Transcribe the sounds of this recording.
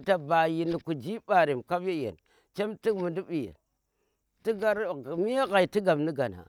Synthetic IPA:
ta˨ba˨ji˨ni˨ku˨d͡ʒi˦ba˨ɾi˨mka˦ve˦jḛ˨n | t͡ʃe˦mti˦mu˨ndu˦bi˨jḛ˨n | ti˦ɡa˦ɾmi˦a˦ɣa˨i˨ti˦ɡa˨mni˦ɡa̰˨na̰˨

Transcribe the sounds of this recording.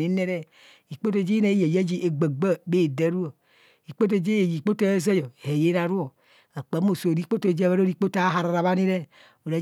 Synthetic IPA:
e˨˦ne˦ɾɛ˦ | i˨k͡po˦t̬o˦˨d͡ʒe˦ne˨˦je˨je˦d͡ʒi˦ʔe˨ɡ͡ba˨ɡ͡ba˦be˦˨dɛ˦ɾu˦o˨ | i˨k͡po˦t̬o˦˨d͡ʒe˦je˨ji˨k͡po˦to˦e˦za˦jɔ˨e˨je˦ɾa˨ɾu˦o˨ | a˨k͡pa˨˦m˦o˨so˨ɾi˦k͡po˦to˦˨d͡ʒβa˦ɾo˦ɾi˦k͡po˦ta˨˦ɦa˨ɾa˨ɾa˨βa˦ni˦ɾɛ˦ | o˨ɾa˨˦

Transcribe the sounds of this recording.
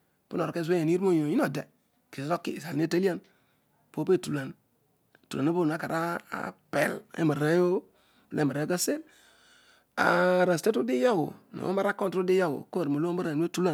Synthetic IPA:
pu˦no˨ɾke˦z̬e˦je˨n˦i˦ɾmo˦jo˨ji˦no˨de˨ | ki˨so˦kːḭ˨sa˨˦e˦ta˦li˦a˦n | po˦pe˦˨tu˨la˨n˨ | tu˨la˨nu˦bo˦˨na˦ka˨ɾa˦a̰˨pḛ˦˨lḛ˦ma˨ɾa˦jo˦ | blʔe˦ma˨ɾe˦ɡa˦se˦l | a̰˨ɾa˨ste˦tu˦di˦ja˦wṵ˨no̰˨o̰˦ma˦ɾa˦ko˦ntu˦di˦ja˦wṵ˨ko˦˨ɾmo˨lo˦mba˦ɾa˨˦e˦tu˦la˦˨

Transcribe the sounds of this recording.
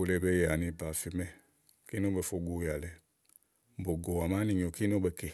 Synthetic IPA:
o˨le˧˨bɛ˦ja˨nĩ˧pa˨fi˧mɛ̃˦ | ki˦nõ˦bɛ˨fo˧ɡo˨˦ja˨lɛ˨ | bo˨ɡo˨a˨ma˦nĩ˨ɲõ˨ki˦no˦bɛ˨ke˨

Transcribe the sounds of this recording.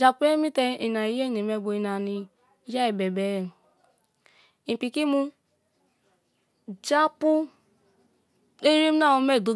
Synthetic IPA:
d͡ʒa˨pu˦e˦mi˦tɛ˧i˨na˨i˨˦je˦˨ne˨me˧˨bo˨i˨na˨ni˨˦ | d͡ʒa˦i˨bɛ˨bɛ˨ | i˨pi˨ki˦mu˦ | d͡ʒa˦pu˦ | e˦ɾi˦m˦na˦˨o˧me˦˨do˨

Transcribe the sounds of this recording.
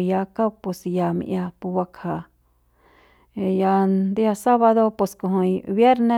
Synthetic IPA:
ja˧ka˦˧pu˧sja˨mḭ̃˧ʔja˧pu˧wa˧kʰa˨˧ | ja˧nd̪i˦a˧sa˦βa˧ðo˧po˧skõ˧ɦõ˧ĩ˧βje˦ɾnẽ˧

